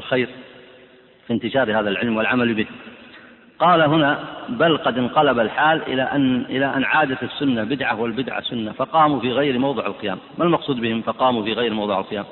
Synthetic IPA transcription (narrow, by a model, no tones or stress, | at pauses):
lxajɾ | fint̪ɪʃɑːɾhaːðalʕɪlmwɪlʕamaljbɪnː | qɑːlaɦʊnabalqɑd̪ɪnqɑlabalħaːlʔɪ̰aʔʔɪlaʔanːʕaːd̪at̪ɪsːʊnːabɪd̪ʕawɪlbɪd̪ʕa̰sʊnːafɑqɑːmufiːɣajɾmɑwðˤɨʕalqɪja̰ːmːalmɑqsˤuːd̪bɪhɪmfɑqɑːmufiːɣajɾmɑwðˤɨʕa̰lqɨjaːm